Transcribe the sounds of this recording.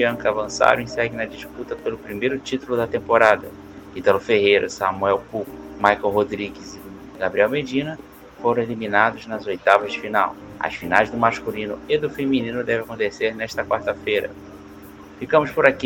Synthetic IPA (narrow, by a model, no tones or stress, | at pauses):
iɐ̃kavɐ̃sa̰ɾɐ̰̃ẽsɛɡɪ̃nɐd͡ʒisput̪ɐpelʊpɾimejɾʊt͡ʃit̪ulʊd̪ɐt̪ẽmpoɾad̪ɐ | it̪ɐlʊfeɦejɾɐsɐmuɛwpukmajkowɦod̪ɾiɡɪzi | ɡabɾiɛwmed͡ʒĩnɐ | foɾɐ̃w̃elimĩnad̪ʊznɐzojt̪avɐzd͡ʒɪfinaw | ɐ̰sfinajzd̪ʊmaʃkulĩnʊed̪ʊfeminĩnʊd̪ɛvɪakõnt̪eseɾnɛʃt̪ɐkwaɾt̪ɐfejɾɐ̰ | fikɐ̃mʊspʊɾaki